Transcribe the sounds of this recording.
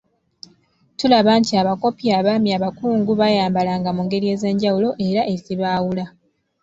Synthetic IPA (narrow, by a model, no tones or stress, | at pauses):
tulaβaːntiaβako̞piaβaːmjaβakuːŋɡuβajaːmbalaːŋɡamuŋɡe̞ɾie̞ːze̞ːɲɟawulo̞ʔe̞ɾaʔe̞ziβaːwula